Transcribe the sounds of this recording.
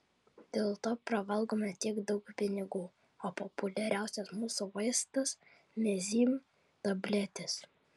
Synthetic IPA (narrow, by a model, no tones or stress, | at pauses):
d̪ʲeːlˠt̪oːpɾɐʋɐlˠɡoːmʲɐt̪ʲiɛɡd̪ɒʊkpʲɪnʲɪɡuː | oːpɔpʊlʲɛɾʲæˑʊsʲɛsmuːsʊʋɐɪst̪ɐs | mʲɛzʲiːm | t̪ɐbʲlʲɛt̪ʲɪs